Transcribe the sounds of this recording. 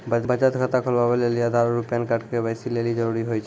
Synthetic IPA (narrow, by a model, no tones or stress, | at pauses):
babad͡ʒat̪ɡʱat̪akʰɔlbabelelijad̪ʱaɹɹupijankaʈkebajsilelid͡ʒɔɹuɾiɦojt͡ʃʰ